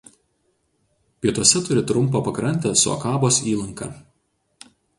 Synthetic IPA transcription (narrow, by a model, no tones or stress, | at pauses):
pʲiɛt̪uɔsʲɛt̪ʊɾʲɪt̪ɾʊmˑpɐpɐkɾɐnʲˑt̪ʲesʊɐ̰kɑːboːsiːlˠɐŋkɑ̰ː